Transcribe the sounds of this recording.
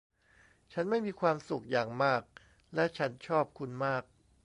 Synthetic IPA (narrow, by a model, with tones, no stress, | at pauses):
t͡ɕʰa˦˥nma˥˩jmiː˧kʰwaː˧msu˨˩k̚jaː˨˩ŋmaː˥˩k̚ | lɛ˦˥ʔt͡ɕʰa˦˥nt͡ɕʰɔː˥˩p̚kʰu˧nmaː˥˩k̚